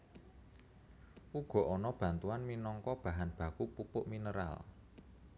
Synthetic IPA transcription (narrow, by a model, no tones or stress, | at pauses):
ʔuɡ̥ɔ̤ʔɔnɔb̥ä̤nt̪uanminɔŋkɔb̥a̤ɦanb̥a̤kupupʊʔminəɾa̰l